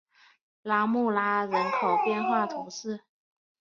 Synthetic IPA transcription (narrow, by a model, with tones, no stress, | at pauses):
la˥mu˥˩la˥ɻə˧˥nkʰo˨˩ʊpjɛ˥˧nxwa˥˩t̪ʰʊ˧˥ŋʂɻ̩˥˩